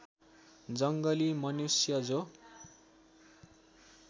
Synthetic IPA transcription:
d͡zʌŋɡʌlimʌnusjʌd͡zo

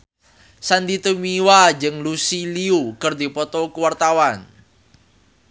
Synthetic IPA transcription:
sand̪it̪umiwad͡ʒɨŋlusiliukərd̪ipɔt̪ɔkuwart̪awan

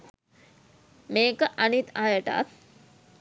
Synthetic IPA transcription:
meːkəʔanit̪ajəʈa̰t̪

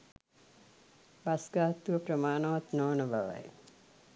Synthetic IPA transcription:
basɡaɦt̪ːuʋəpɾəmaːnɐʋat̪nɔːnəbʱaʋa̰j

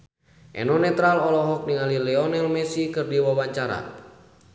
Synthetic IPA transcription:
ʔɛ̰nɔnɛt̪ɾalɔlɔɦɔk̚niŋalilɛɔnɛlmɛsikɨrdiwawaɲt͡ʃaɾa̰

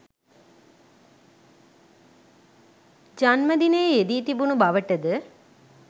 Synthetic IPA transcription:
d͡ʒanməd̪inəjed̪iːt̪ibunubaʋəʈəd̪ə

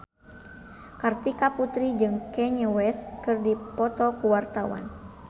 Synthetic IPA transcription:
kart̪ikaput̪ɾid͡ʒɨŋkɛɲəwɛskɨrdipɔt̪ɔkuwart̪awa̰n

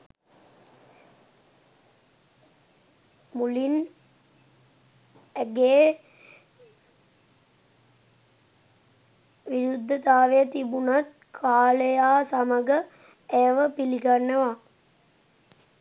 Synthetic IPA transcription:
mulin | ɡeː | ʋiɾud̪ʱːət̪aːʋejət̪ibunat̪ | kʰaːləjaːsaməɡə | eəʋəpiliɡanːəʋa

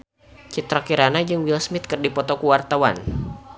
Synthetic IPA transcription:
t͡ʃit̪ɾɔkiɾanad͡ʒɨŋwilsmɪt̪̚kɨrdipɔt̪ɔkuwart̪awa̰n

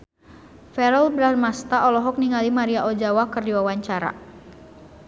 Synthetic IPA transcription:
fɛɾɔlbɾarmast̪aʔɔlɔɦɔk̚niŋalimaɾiaʔɔd͡ʒawakərdiwawaɲt͡ʃaɾa̰

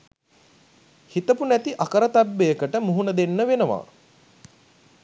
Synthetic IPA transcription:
hit̪əpunæt̪iʔakəɾət̪abːejəkəʈəmuɦunəd̪enːəʋenəʋa̰ː

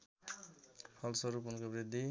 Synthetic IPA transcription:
pʰʌlsʌɾupunkobɾid̪ːi

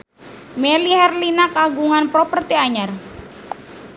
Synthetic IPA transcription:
mɛlihɛrlinakaɡuŋanpɾopərt̪iaɲar

